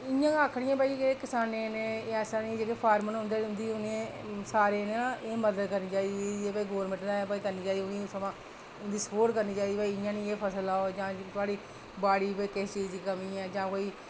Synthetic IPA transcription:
ɪjãːəkʰɽɪjãːpaːiːkekɪsaːnẽːneːɛːsãːnĩːd͡ʒeːkeːpʰaːɾmənɦʊ̃nd̪eːʊnd̪iːʊnẽːsaːɾeːnãːeːməd̪əd̪kəɾnĩːt͡ʃaːid̪iieːpaiːɡoːɾmɪ̃ʈnãːpaikəɾniːt͡ʃaːd̪iʊnẽsəmãː | ʊnd̪iːsəpoːʈkəɾniːt͡ʃaːiːd̪iːpaːiːɪjãːnĩːeːpʰəsəlaːod͡ʒãːt̪ʊaːɽiː | baːɽiːpaiːkɪst͡ʃiːd͡ʒ̪iːkəmĩːɛ̃ːd͡ʒãːkoːiː

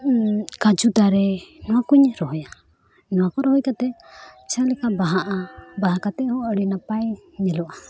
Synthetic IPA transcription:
kad͡ʒud̪aɾenuakuiɲɛɾoɦoja | nuakɔɾohojkat̪ɛt͡ʃalikabaɦaʔabaɦakat̪ɛhoaɾinapajɲɛloʔa

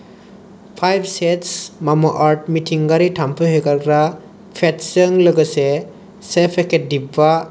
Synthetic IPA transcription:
pʰajbsɛtsmamɔʔaɹt̚mitʰiŋɡaɾitʰampʰɯɦekaɡɾa | pʰɛtsəŋlɔɡɯsɛ | sepʰɛkʰɛdiba

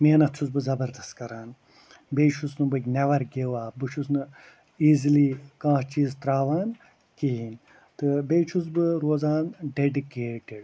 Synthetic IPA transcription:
meːnɐt͡sʰuzbɨzɐbɐɾd̪ɐst̪kɐɾaːn | beːt͡ʃʰusnɨbɐkʲnɛʋɐɾɡeʋaːbɨʃʰusnɨ | iːziliːkãːɦt͡ʃiːzt̪ɾaːʋaːn | kiɦin | t̪ɨbeːt͡ʃʰuzbɨɾoːzaːnɖeɖikeːʈɪɖ

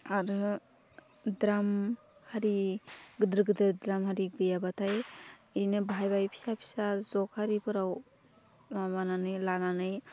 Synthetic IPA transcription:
aɾɯ | dɾam | haɾiɡɯdɾɯɡɯdɾɯdɾamhaɾiɡɯjabatʰajijnɯbʱajbajpʰi̥sapʰi̥sazɔkhaɾipʰɯɾaw | mabananɯjlananɯj

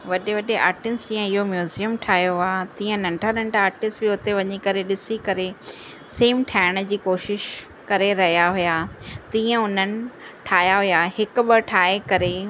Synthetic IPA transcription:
ʋɐɗeʋɐɗea̰ːɾʈɪnsd͡ʑĩːə̃ɪɦomjuːzijəmʈʰaːjoat̪ĩːə̃nɐ̃ɳʈʰanɐ̃ɳʈʰaːɾʈɪsʈbɪʊt̪eʋɐɲikɐɾeɗɪsikɐɾe | seːmʈʰaːɪɽ̃d͡ʑiːkoːʃɪʃ | kɐɾeɾɐɦijaɦʊjat̪ĩːə̃ʊn̤ənɪ̆ʈʰaːɦjaɦʊjaɦɪkʊɓəʈʰaːekɐɾe

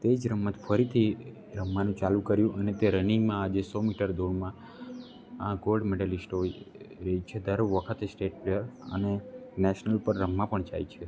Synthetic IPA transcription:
t̪ed͡ʒɾəmːət̪fʰəɾit̪ʰi | ɾəmːanũt͡ʃalũkəɾjũʔənet̪eɾənimãad͡ʒesɔmiʈəɾd̪ʱoɽmã | ãɡolɖmeɖəlisʈoɾəit͡ʃʰed̪əɾʋəkʰət̪esʈeʈ̚pɾejəɾə̰nenɛʃnəlpəɾːəmːãpəɳd͡ʒa̰it͡ʃʰe

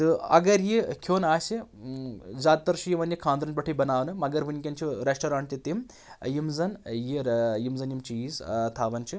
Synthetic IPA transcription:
t̪ɨɐ̰ɡɐɾjikʲʰoːnaːsi | zaːt̪̚t̪ɐɾʃijiʋɐnjikʰaːnd̪ɾɐnpɐʈʰibɐnaːʋnɨmɐɡɐɾʋɨnʲkʲɐnt͡ʃʰiɾesʈɐɾaːɳʈt̪it̪im | jimzɐnjijimzɐnjimt͡ʃiiːzt̪ʰaːʋɐnt͡ʃʰi

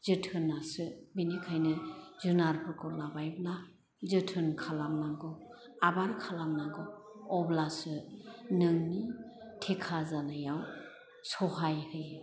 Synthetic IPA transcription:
zɯtʰɯnːasɯbinikʰajnɯzɯnaɾpʰɯɾkʰɔlabajbna | zɯtʰɯnkʰalamnaɡɯ | abaɾkʰalamnaɡɯɔblasɯnɯŋnitʰekʰazanajaw | sɔɦajhɯj

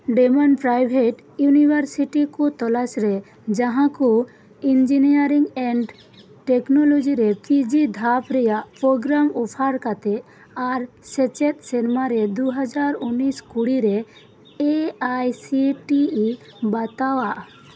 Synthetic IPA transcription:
ɖɛmɔnpɾajbʱeʈ | junibʱaɾsiʈikɔt̪ɔlasɾɛ | d͡ʒãɦãku | ind͡ʒinijaɾiŋɡɛɳɖ | ʈɛknɔlɔd͡ʒiɾɛpid͡ʒid̪ʱapɾɛjaʔpɾoɡɾamɔpʰaɾkat̪ɛ | aɾ | sɛt͡ʃɛt̪̚sɛnmaɾɛd̪uɦad͡ʒaɾuniskuɽiɾɛ | eajsiʈi | bat̪awaʔ

